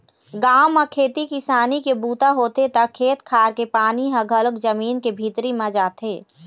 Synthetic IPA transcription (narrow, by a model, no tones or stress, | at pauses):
ɡaːmːakʰeːt̪ikɪsaːnikebuːt̪aɦoːt̪et̪ɐkʰːeːt̪kʰaːɾkepaːniɦɐ̃ɡʱələkd͡ʒɐmiːnkebʱiːt̪ɾimɐ̃d͡ʒaːt̪eː